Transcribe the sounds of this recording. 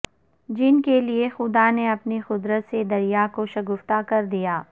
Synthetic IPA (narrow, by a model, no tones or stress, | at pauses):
d͡ʒɪnkeliexʊd̪aneɐpnixʊd̪ɾət̪sed̪ɐɾijakoʃɐɡʊft̪akɐɾd̪ijaː